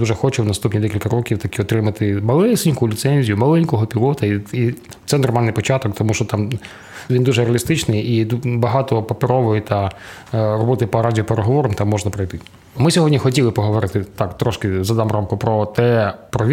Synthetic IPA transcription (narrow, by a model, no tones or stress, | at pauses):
d̪uʒɛxɔt͡ʃɪwnɐst̪upnʲid̪ɛkʲilʲkɐɾɔkʲiwt̪ɐkʲiɔt̪ɾɪmɐt̪ɪmɐlˠɛsɪnʲkʊlʲit̪sɛnʲzʲijʊmɐlˠɛnʲkɔɦɔpʲilˠɔt̪ɐii | t̪sɛnɔrmɑlʲnːɪjpɔt͡ʃɑt̪ɔkt̪ɔmuʃt͡ʃɔt̪ɑm | ʋʲind̪uʒɛɾeɐlʲist̪ɪt͡ʃnɪjibɐɦɑt̪ɔpɐpeɾɔʋʊjʊt̪ɐ | rɔbɔt̪ɪpɐɾadʲiɔpeɾeɦɔʋɔɾɔmt̪amːɔʒnɐpɾɐjt̪ɪ | mɪsʲɔɦɔdʲnʲixɔtʲilˠɪpɔɦɔʋɔɾɪt̪ɪt̪ɑkt̪ɾɔʃkɪzɐd̪ɑmramkʊpɾɔt̪ɛpɾɔʋʲ